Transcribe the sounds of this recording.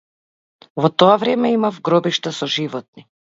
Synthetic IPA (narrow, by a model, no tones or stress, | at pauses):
vɔt̪ɔavɾɛmɛimafɡɾɔbiʃt̪asɔʒivɔt̪̚ni